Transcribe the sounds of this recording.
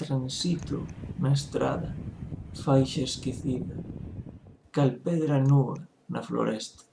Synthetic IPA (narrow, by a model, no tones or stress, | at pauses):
t̪ɾansit̪o̰naest̪ɾa̰ðɐfajʃɐeskiθiðɐ | kalpeðɾanua | nɐ̰flo̰ɾʔest̪ḁ